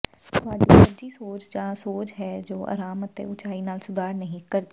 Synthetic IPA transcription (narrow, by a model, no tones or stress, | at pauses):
t̪ʊaːɖiːsəd͡ʒiːsoːt͡ʃd͡ʒãːsoːt͡ʃɦɛːd͡ʒoːʔa̰ːɾaːmət̪ḛ̃ʊt͡ʃʰaːiːnaːlsʊd̪ʱaːɾnəɦĩkəɾd̪e